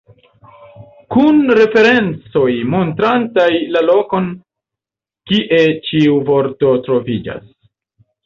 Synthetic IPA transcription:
kunɾe̞fe̞ɾe̞nt͡so̞jmo̞ntɾantajlalo̞ko̞n | kiʔe̞t͡ʃiuvo̞ɾto̞tɾo̞vid͡ʒa̰s

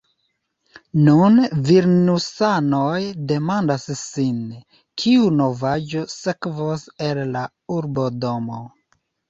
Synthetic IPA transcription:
nunviɾnusanojde̞mandasːin | kʰiuno̞vad͡ʒo̞sekvose̞lla | uɾbo̞do̞mo

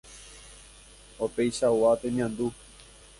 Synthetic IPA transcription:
opejʃauat̪eɲãnd̪u

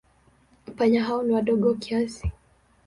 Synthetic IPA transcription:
m̩paɲaɦaɔniwaɗɔɠɔwakiasi

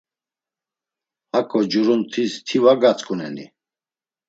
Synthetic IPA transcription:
hakʼɔd͡ʒuɾunt̪ʰist̪ʰivaɡat͡sʼkʼunɛ̰ni

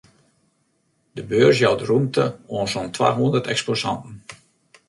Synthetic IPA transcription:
dəbøːrs̬jawdrumtʰəoːnsontʰwa̰ːɦundərtɛksposɑ̰ntn̩

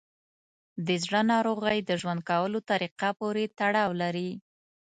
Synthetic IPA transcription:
d̪əzɽənɑɾoɣajd̪əʒwand̪̚kawəlot̪aɾiqapoɾet̪aɽɑwlaɾi

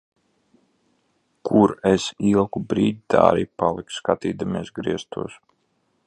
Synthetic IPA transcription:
kʰuɾeɛsilˠkubɾiːd̪ʲit̪ʰa̰ːɾiːpalˠikskat̪iːd̪amiɛsɡɾiɛst̪ṵɔs

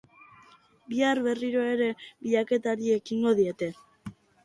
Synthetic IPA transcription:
biaɾβe̞riɾo̞e̞ɾe̞βiʎake̞t̪aɾie̞kiŋɡo̞ðie̞t̪e̞

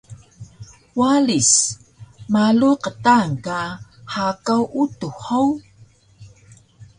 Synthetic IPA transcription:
walis | maluqətaŋkahakawʔutuhaw

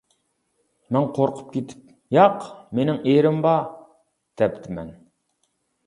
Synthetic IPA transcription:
mɛnqʰoɾqʰʊ̥p̚kʲet̪ʰɪ̥p̚ | jɑqmenɪŋeɾɪmbɑ | d̪̥ɛpt̪ʰɪmɛ̰n

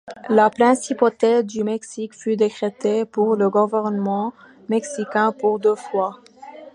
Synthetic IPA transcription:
lapχɛ̃sipot̪ɛzd̪ymɛksikfyd̪ekχet̪epuʁləɡuvɛʁnəmɑ̃ | mɛksikʲɛ̃puʁd̪øfwa

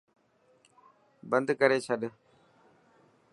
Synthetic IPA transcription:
bənd̪kəɾeːt͡ʃʰəɗ

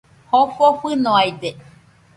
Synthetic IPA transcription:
hoɸoɸɨnoajd̪e

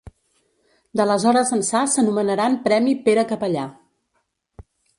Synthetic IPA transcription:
d̪ələzɔɾəzənsasənumənəɾampɾɛmipeɾəkəpəʎa

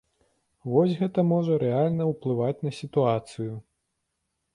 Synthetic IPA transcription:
vɔsʲɣɛt̪ɐmɔʐɐɾɛalʲnɐwplˠɨvat͡sʲnɐsʲit̪uat̪sɨju

